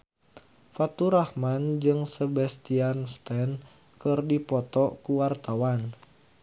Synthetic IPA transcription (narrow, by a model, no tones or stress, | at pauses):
fat̪uɾahmand͡ʒɨŋsəbɛst̪ianst̪ɛn | kɨrdipɔt̪ɔkuwart̪awan